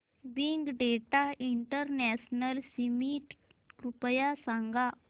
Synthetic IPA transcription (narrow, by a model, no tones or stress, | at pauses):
biŋɡɖeʈaiɳʈəɾnɛsnəlsimiʈ | ɾupəjasaŋɡa